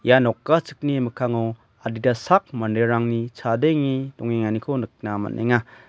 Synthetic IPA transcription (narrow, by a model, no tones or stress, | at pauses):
janɔkːat͡ʃɯk̚nimɯkʰaŋɔ | adidasak̚mandeɾaŋnit͡ʃʰadeŋidɔŋeŋanikʰonɯk̚nama̰nʔḛŋa